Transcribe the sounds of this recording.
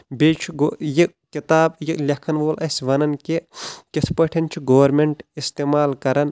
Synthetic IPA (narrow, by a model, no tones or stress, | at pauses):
bet͡ʃʰuɡojikkit̪aːbjiklʲekʰɐnʋoːlɐsʲʋɐnɐnkekisʰpɐʈʰɐnt͡ʃʰiɡoʋɐɾmeɳʈist̪eːmaːlkɐɾɐn